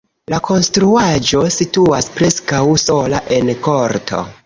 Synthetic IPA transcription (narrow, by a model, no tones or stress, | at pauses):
lakʰo̞nstɾuad͡ʒo̞situaspɾe̞skawso̞laʔe̞nko̞ɾtʰo̞̰